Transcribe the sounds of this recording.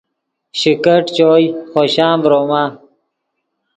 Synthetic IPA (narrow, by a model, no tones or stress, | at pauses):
ɕikəʈt͡ɕoːjxoːɕãːmbɾoːmaː